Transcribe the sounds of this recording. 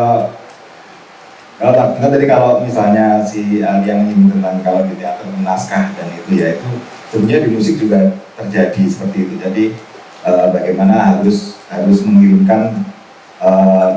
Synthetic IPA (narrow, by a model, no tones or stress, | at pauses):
kalot̪at̪əŋat̪̚ːadikalomisalɲasialijaŋiɪmk̪ənt̪aŋkaloɡit̪iat̪ət̪̚mənaskahdanit̪ujait̪u | səbut̪ɲadimusɪk̚d͡ʒuɡat̪ərd͡ʒadisə̥pərt̪iːt̪ud͡ʒadi | ʔəːbaɡajmanaɦaɾʊshaɾʊsməŋilɪmkan | əː